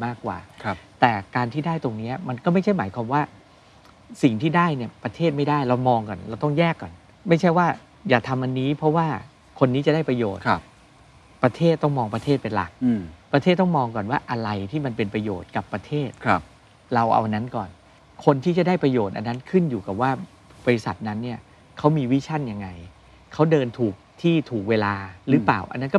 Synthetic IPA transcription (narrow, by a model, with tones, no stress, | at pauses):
maː˥˩kːwa̰ː˨˩˧t̪ɛː˨˩kaː˧nt̪ʰiː˥˩daː˥˩jt̪o˧ŋni˦˥ɐma˧nkɔː˥˩ma˥˩jt͡ɕʰa˥˩jmaː˩˦jkʰwaː˧mwaː˥˩ | si˨˩ŋt̪ʰiː˥˩daː˥˩jni˥˩ɐpɾa˧t̪ʰeː˥˩t̪̚ma˥˩jdaː˥˩jɾa˧wmɔː˧ŋkɔ˨˩nɾa˧wt̪ɔ˥˩ŋjɛː˥˩kːɔː˨˩n | ma˥˩jt͡ɕʰa˥˩jwaː˥˩ | jaː˨˩t̪ʰa˧mʔa˧nːiː˦˥pʰɔ˦˥waː˥˩ | kʰo˧nːiː˦˥t͡ɕa˨˩daː˥˩jpɾa˧joː˨˩t̪̚ | pɾa˧t̪ʰeː˥˩t̪̚ːɔ˥˩ŋmɔː˧ŋpɾa˧t̪ʰeː˥˩t̪̚pe˧nla̰˨˩k̚pɾa˧t̪ʰeː˥˩t̪ːɔ˥˩ŋmɔː˧ŋkɔː˨˩nwaː˥˩ʔa˧ɾa˧jt̪ʰiː˥˩ma˧npe˧npɾa˧joː˨˩t̪̚ka˨˩pːɾa˧t̪ʰeː˥˩t̪̚ʰp | ɾa˧wʔa̰˧wʔa˧nːa˦˥nkɔː˨˩n | kʰo˧nt̪ʰiː˥˩t͡ɕa˨˩daː˥˩jpɾa˧joː˨˩t̪̚ʔa̰˧nːa˦˥nkʰɯ˥˩njuː˨˩ka˨˩p̚waː˥˩ | bɔː˧ɾi˧˥sa˨˩t̪̚na˦˥nːi˥˩ɐ | kʰa˦˥wmiː˧wi˦˥t͡ɕʰa˥˩nja˧ŋːa˧j | kʰa˦˥wdɤː˧nt̪ʰuː˨˩k̚t̪ʰiː˥˩t̪ʰuː˨˩k̚weː˧laː˧ɾɯː˦˥paː˨˩wʔa̰˧nːa˦˥nkɔ˥˩